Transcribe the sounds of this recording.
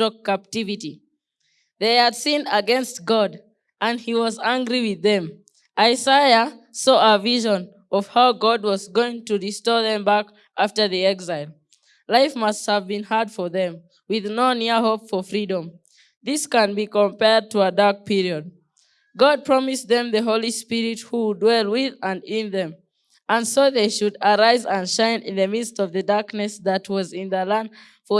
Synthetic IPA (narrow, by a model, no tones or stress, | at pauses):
əkæp̚tɪvɨɾi | ðeɪɨd̥sĩnəɡɛ̃nst̚ɡ̥ɑd | ʔə̃nd̚iwʌzæ̃ŋɡɹiwɪðɨ̃m | ʔaɪzaɪəsɔʔəviʒə̃n | ʌv̥haʊɡɑd̚wʌzɡoɪ̃ŋtɨɹistɔðɛ̃mbæk | ʔaftə˞ðiɛɡzaɪlˠ | laɪfmʌst̚həvbĩnhaɹdfə˞ðɛ̃m | wɪðnoʊniɦoʊpfə˞fɹiɾə̃m | ðɪskə̃nbikə̃mpɛɹd̚tʰəədɑɹk̚pʰiɹiəd̚ | ɡɑd̚pʰɹ̥ɑmisðɛ̃mðəɦoʊlˠispɪɹit̚hudwɛlˠwɪðə̃ndɪ̃nðɛ̃m | ə̃nsoʊðeɪʃɨdə˞aɪzə̃nʃãɪ̃nɪ̰̃nðɨmɪdstʌvðɨdaɹknɨsðət̚ʰwʌzɪ̃nðəlæ̃nd | fɔ